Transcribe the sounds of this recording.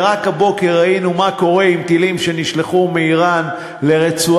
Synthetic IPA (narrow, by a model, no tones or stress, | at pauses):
ʁakhabo̞ke̞ʁainumako̞ʁe̞imt̪ilimʃe̞niʃleχumeiʁan | le̞ʁet͡su